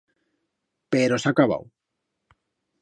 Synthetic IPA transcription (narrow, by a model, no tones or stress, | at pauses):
peɾosakaβa̰w